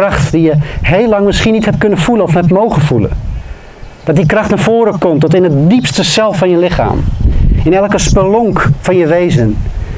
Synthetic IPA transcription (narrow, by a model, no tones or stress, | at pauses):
rɑxtdijəhejlɑŋmɪsχinithɛp̚kønənfulənɔfɛp̚tmowɣənfulə̰ | d̥ɔt̚dikrɑxtnaɹfoːɾəkɔmtɔtɪnətdipstəsɛlˠfɑnjəlɪxa̰ːmɪnɛlˠkəspəlɔŋkfɑnjəʋeːzən